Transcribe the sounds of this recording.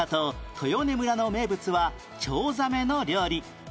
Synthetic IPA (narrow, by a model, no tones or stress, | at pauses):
at̪ot̪ʰo̞jo̞ne̞mɯ̟ɾano̞me̞ːbɯ̟t͡sɨβa | t͡ɕoːzame̞no̞ɾʲo̞ːɾʲi